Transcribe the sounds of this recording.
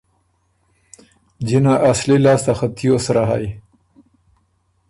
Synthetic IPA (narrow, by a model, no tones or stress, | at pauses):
d͡ʑinaʔaslilɑːst̪axat̪ʰijosɾaɦa̰j